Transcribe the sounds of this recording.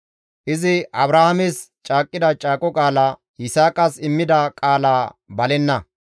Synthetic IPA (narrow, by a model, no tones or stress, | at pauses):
ʔɪzɪɐbɾɐhamɛst͡ʃʼaːkʼːɪd̪ɐt͡ʃʼaːkʼɔkʼaːlaː | jɪsaːkʼɐsɪmːɪd̪ɐkʼaːlaːbɐlɛnːɐ